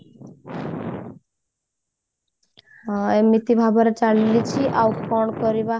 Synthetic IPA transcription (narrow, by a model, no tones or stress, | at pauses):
emit̪ibʱabɔɾet͡ʃallit͡ʃʰiʔawkɔɳkɔɾiba